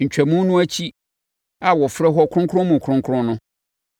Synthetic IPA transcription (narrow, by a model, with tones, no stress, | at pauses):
ɲ̩˨t͡ɕᶣæ˨mũ˦n˦nʊ̃˦æ˦t͡ɕʰi˦ | a˨wɔ˨fɾɛ˦ɦɔ˦kʰʊ˦ʊ̃˦ŋkʰʊ̃˦mʊ̃˨kʰʊ̃˦ŋkʰɾʊ̃˦nʊ̃˦